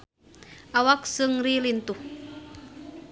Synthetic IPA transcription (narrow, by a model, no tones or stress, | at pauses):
ʔawak̚sɨŋrilint̪uh